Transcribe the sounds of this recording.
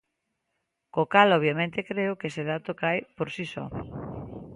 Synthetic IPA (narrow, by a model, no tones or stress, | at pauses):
kokalɔβjamẽnt̪ekɾeʊkeeseðat̪okajpoɾsisɔ̰